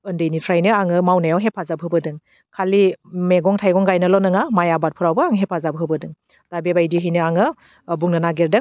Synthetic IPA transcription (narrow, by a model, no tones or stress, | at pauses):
ɯndɯjnitʰɾajnɯaŋɯmawnajawɦepʰazabɦɯbɯdɯŋ | kʰalimeɡɔŋtʰajɡɔŋɡajnɯlɔnɯŋamajabat̚pʰɯɾawbɯaŋɦepʰazabɦɯbɯdɯŋ | tabebajdiɦinɯaŋɯ | buŋnɯnaɡeɾdɯ